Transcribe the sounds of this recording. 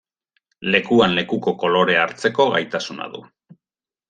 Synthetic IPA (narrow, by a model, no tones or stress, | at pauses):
le̞kuanle̞kuko̞ko̞lo̞ɾe̞aɾt͡se̞ko̞ɣajt̪asuna̰ðṵ